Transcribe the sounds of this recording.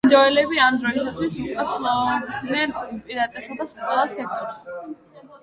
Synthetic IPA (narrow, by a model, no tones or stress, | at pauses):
nd̪ɔɛlɛbiamd̪ɾɔisat̪ʰwisukʼat̪ʼlad̪nɛnpʼiɾat̪ʼɛsɔbasqʼwɛlˠasɛk̚ʰt̪ʼɔɾs